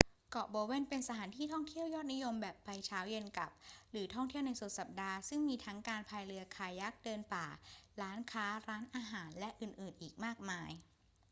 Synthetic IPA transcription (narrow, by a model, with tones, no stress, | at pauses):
kɔ˨˩ʔbɤː˧we˥˩npe˧nsa˧t̪ʰaː˩˦nt̪ʰiː˥˩t̪ʰɔ˥˩ŋt̪ʰi˥˩əwjɔː˥˩t̪̚ni˦˥jo˧mbɛː˨˩pːa˧jt͡ɕʰaː˦˥wje˧nka̰˨˩p̚ɾɯː˩˦t̪ʰɔ˥˩ŋt̪ʰi˥˩əna˧jsu˨˩t̪̚sa˨˩p̚daː˧sɯ˥˩ŋmiː˧t̪ʰa˦˥ŋkaː˧npʰaː˧jɾɯ˧ɐkʰaː˧˩ja˦˥k̚dɤː˧npaː˨˩ɾaː˦˥nkʰaː˦˥ɾaː˦˥nʔaː˧ɦaː˩˦nlɛ˦˥ʔɯː˨˩nʔɯː˨˩nʔiː˨˩k̚maː˥˩k̚maː˧j